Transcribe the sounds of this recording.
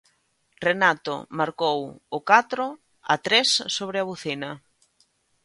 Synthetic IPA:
renat̪o̰maɾkowʊkat̪ɾʊ | a̰t̪ɾesːoβɾɪaβuθinɐ

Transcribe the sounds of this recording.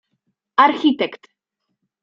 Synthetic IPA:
arçit̪ʰɛkt̪

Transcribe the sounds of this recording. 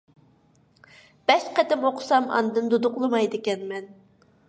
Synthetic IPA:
b̥ɛʃqɛt̪ɪmoqʰʊ̥sɑmɑ̰nɨd̪ɨnd̪ud̪ʊqlˠɨmɑjd̪ɪkʲɛnmɛn

